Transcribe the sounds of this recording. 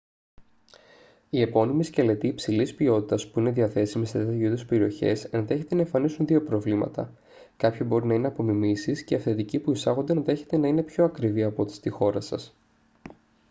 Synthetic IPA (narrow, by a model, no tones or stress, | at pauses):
ie̞po̞nimiscele̞t̪iːpsilispio̞t̪it̪ɐspuine̞ðiɐθe̞simiset̪et̪juðespe̞ɾio̞çe̞̰senɐeçet̪e̞nɐeɱfɐnisunðio̞pɾo̞vlimɐ̰t̪ɐ̰ | kɐpçobo̞ɾinɐineɐpo̞mimisisceɐfθe̞t̪icipuisɐɣond̪e̞nɐe̞çe̞t̪e̞nɐine̞pço̞ɐkɾiviɐpo̞t̪i̥st̪ixo̞ɾɐsɐs